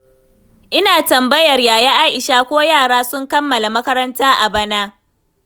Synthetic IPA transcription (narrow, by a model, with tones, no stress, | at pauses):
ʔɪ˦naː˨tɐ˨mbɐ˦jɐ˨rjaː˨jɛ˦ʔaː˦ʔɪ˨ʃaː˦kʷoː˦jaː˦˨ɽaː˦sʊ˦ŋkɐ˦mːɐ˨la˨mɐ˦kɐ˦ɾɐ˦ntaː˦ʔa˨bɐ˦naː˦